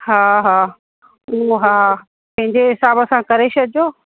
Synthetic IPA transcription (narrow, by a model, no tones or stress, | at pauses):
ɦaːɦaː | uɦaː | pɐ̃ɦɪ̃ɲd͡ʑeɦɪsaːbɐsãkɐɾeːʃɐd͡ʑoː